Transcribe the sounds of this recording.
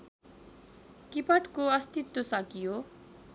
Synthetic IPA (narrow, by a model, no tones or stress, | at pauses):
kipʌʈkoʌst̪it̪ːosʌkijo